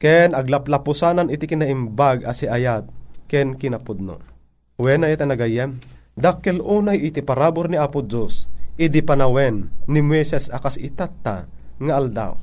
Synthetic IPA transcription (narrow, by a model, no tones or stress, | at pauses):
kɛnɐɡlaplapʊsaːnanit̪ikɪnaimbaɡʔasiʔajat̪̚kɛnkɪnapud̪̚no̰ | wɛnajat̪anɐɡajɛm | d̪akɛlʔuːnajit̪ipaɾaːbʊɾniaːpʊd͡ʒosʔid̪ipanawɛnːimwɛsɛsakasit̪at̪ːa̰ | ŋaʔːld̪a̰w